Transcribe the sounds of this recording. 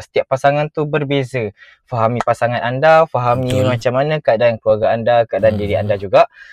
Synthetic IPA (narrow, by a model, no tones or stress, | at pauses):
sə̥t̪iaʔpːasaŋant̪ubərbezə | faɦamĩpasaŋanandafaɦamĩmat͡ʃamːanə̃kəadankəluaɡaːndakaadandiɾia̰ndad͡ʒuɡaʔ